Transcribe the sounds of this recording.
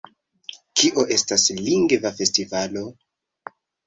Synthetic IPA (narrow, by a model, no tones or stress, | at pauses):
kʰiʔo̞ʔe̞stasliŋɡvafe̞stivalo̞